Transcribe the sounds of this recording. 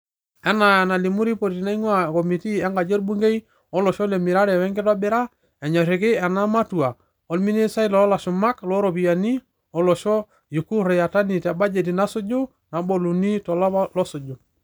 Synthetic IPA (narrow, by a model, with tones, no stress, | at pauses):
ɛ˦na˨ɛ˨na˨li˨mu˦ɾi˦pɔ˨ɾiti˨na˦i˦ɲwa˦˨kɔ˨mi˨ti˦ɛ˦ŋɡa˨d͡ʒe˦ɾbu˦ŋɡe˦i˦ | ɔ˦lɔ˨ʃɔ˦le˨mi˨ɾa˦ɾɛ˨wɛ˦ŋɡɪ˦ta˦bɪ˦ɾa˦ | ɛ˨ɲa˨ɾɪ˨kɪ˦ɛ˨na˦ma˦tu˨a˨ | ɔ˨lmi˦ne˦sa˦i˦lɔ˨˦la˨ʃʊ˨ma˦klɔ˦ɾɔ˨pi˨ja˨ni˦ | ɔ˦lɔ˨ʃɔ˦ | ju˨ku˦ɾɛ˨ja˨ta˦ni˨tɛ˨ba˦d͡ʒe˨t̬i˨na˦sʊ˦d͡ʒʊ˦ | na˨bɔ˨lu˨ni˦tɔ˨la˦plɔ˦sʊ˨d͡ʒʊ˨